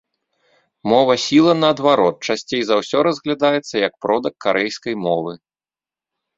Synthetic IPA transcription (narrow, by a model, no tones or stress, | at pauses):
mɔvɐsʲilˠɐnɐːd̪vaɾɔt̪̚t͡ʂasʲt͡sʲejzawsʲɔɾɐzɣlʲad̪ajɛt̪sːɐjɐk̚pɾɔd̪ɐkːaɾʔɛjskɐjmɔvɨ